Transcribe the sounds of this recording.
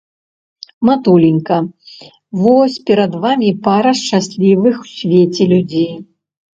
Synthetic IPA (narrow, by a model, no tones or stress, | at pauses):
mat̪ulʲinʲkɐ | vɔsʲpʲɛɾɐd̪vamʲipaɾɐʂt͡ʂasʲlʲivɨxw̥sʲvʲet͡sʲɛlʲud͡zʲej